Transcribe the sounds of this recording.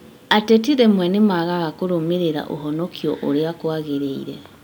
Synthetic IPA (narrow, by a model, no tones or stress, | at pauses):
atɛt̬iðɛmwɛnemaɣaɣakoɾomeɾeɾa̰ʔo̰ɦɔnɔkʰiɔ̰ʔoɾeakwaɣeɾeiɾɛ